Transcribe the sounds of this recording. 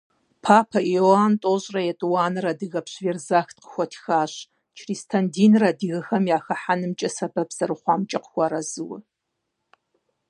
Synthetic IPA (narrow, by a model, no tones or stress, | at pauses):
pʰaːpʰɐjoaːntʼoːɕʼrɐjɛtʼɨwaːnɨrɐdɨɣɐpɕvɛrzaːxtqə̥xʷɔtʰxaːɕ | t͡ʃʰristʰɐndiːnrɐdɨɣɐxɐmjaːxɐħanɨmt͡ʃʼɐsɐbɐbz̥ɐrɨχʷɑːmt͡ʃʼɐqəxʷɑɾɐzɨwɐ̰